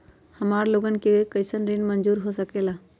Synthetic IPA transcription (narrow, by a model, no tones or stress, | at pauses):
həmaːɾloːɡənkekəɪsənɾinmənd͡ʒuːɾɦosəkeːlaː